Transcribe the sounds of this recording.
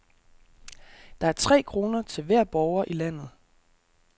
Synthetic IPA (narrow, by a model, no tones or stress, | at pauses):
d̥ɑ̈æɐt͡sʰʁɛ̰ːkʰʁo̝ːnɐt͡sʰe̝lʋæɐ̰b̥ɒʊɐʔilæn̰ð̞̩ˠ